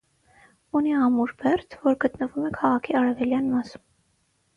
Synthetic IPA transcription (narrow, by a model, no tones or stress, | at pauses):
uniɑmuɾbɛrt̪ʰvɔɾɡət̪nəvumɛkʰɑʁɑkʰiɑɾɛvɛljɑnmɑsu̥m